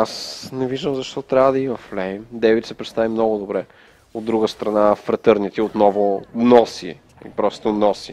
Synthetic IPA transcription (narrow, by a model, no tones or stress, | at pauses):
asnɛviʒd̪əmzɐʃt̪ɔt̪ɾʲavəd̪ɐimɐflɛjmd̪ɛvit̪sɛpɾɛt̪st̪avimnɔɡʊd̪obɾɛ | od̪ːɾuɡəst̪ɾɐnafɾət̪əɾnit̪iot̪nɔvʊnɔsi | ipɾɔst̪onɔsi